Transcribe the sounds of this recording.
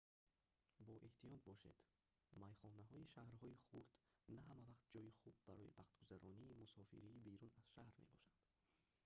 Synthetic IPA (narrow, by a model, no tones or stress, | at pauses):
bɔʔeht̪ijɔt̪̚bɔʃe̞̰d̪̥ | majχɔnaɦɔiʃahɾɦɔiχuɾd̪naɦamavaqt̪̚d͡ʒɔjiχub̚ːaɾɔḭvaqt̪ɡuzaɾɔniːmusɔfḭɾiːbeɾunaz̥ʃahɾme̞̰bɔʃand̪